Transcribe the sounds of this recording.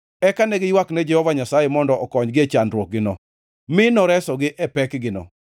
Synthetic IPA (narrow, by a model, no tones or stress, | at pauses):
ɛkanɛɡɪjwaknɛd͡ʒɛhɔvaɲasajemɔndɔʔɔkɔɲɡɪet͡ʃandɾwok̚ɡɪnɔ̰ | mɪnɔɾɛsɔɡɪʔɛpɛkɡɪnɔ̰